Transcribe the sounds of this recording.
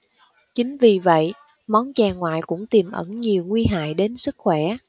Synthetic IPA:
t͡ɕï˨˦ŋ̟vi˨˩və̰˧˨j | mɔ˨˦nt͡ɕaː˨˩ŋwa̰ː˧˨jkʊ̰˧˥ŋ͡mt̪i˨˩mʔə̰˧˩nɲi˨˩əwŋwi˧ɦa̰ː˧˨jɗe˨˦nsɨ˦˥k̚xwɛ˧˩

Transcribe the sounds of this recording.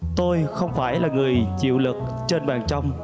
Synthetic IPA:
t̪o˧jxə˧wŋ͡mfaː˧˩jlaː˨˩ŋɨ˨˩əjt͡ɕḭ˧˨wlɨ˨˩k̚ | t͡ɕe˧nɓaː˨˩nt͡ɕɔ˧wŋ͡m

